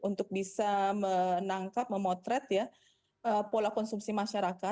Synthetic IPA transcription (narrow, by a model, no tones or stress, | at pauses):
unt̪ʊk̚bisamənaŋkap̚məmɔt̪ɾɛt̪ja | ʔəpolakɔnsumsimaʃaɾaka